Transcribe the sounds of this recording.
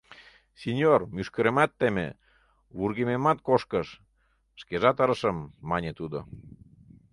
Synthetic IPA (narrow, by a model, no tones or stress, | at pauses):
senʲjormyʃkə̆ɾemɑt̪ːemḛ | βurɣememɑt̪̚koʃkəʃ | ʃkeʒɑt̪əɾəʃəmːɑnʲet̪ud̪o̰